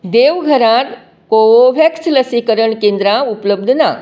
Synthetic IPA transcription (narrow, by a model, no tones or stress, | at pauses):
d̪eʋɡʱəɾãt̪ | kooʋʱjeksləsikəɾəɳkẽnd̪ɾaupləb̚d̪ʱna